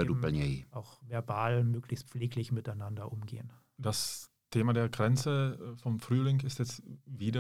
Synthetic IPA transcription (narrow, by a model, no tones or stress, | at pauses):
ɛdupl̩ɲɛjɪʔaʊxvɛɐbaːlmøːklɪçstp͡fleːklɪçmɪtaɪnandɐʔʊmɡḛːən | d̥as | tʰeːmadeːɐɡʁɛnt͡səfɔmfʁ̥yːlɪŋɪstjɛt͡stviːdɐ